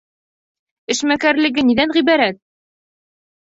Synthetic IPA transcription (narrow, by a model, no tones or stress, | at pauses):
ɘ̆ʃmækæɾlɘ̆ɡɘniðænʁibæɾæt̪̚